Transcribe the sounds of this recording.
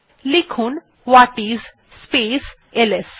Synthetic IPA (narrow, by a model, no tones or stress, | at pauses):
likʰuːn | ʋaʈiːz | spes | eles